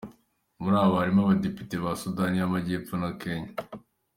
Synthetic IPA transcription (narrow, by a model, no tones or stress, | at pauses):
muɾaːββahaɾimaβadepi̥teβasudanijamaɟeːfonake̞ɲa